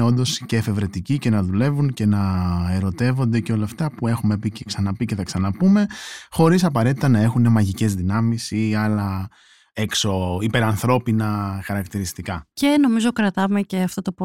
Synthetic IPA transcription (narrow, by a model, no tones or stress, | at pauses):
o̞nd̪o̞sceːfe̞vɾe̞t̪icice̞nɐðule̞vuŋce̞nɐe̞ɾo̞t̪e̞vo̞nd̪e̞ceo̞lɐːft̪ɐpue̞xume̞piceksɐnɐpiceθɐksɐnɐpume̞xo̞ɾisɐpɐɾe̞t̪it̪ɐnɐe̞xune̞mɐʝice̞zðinɐmisiɐlɐ | ekso̞ipe̞ɾɐnθɾo̞pinɐxɐɾɐkt̪iɾist̪ikɐce̞no̞mizo̞kɾɐt̪ɐmeceɐft̪ot̪op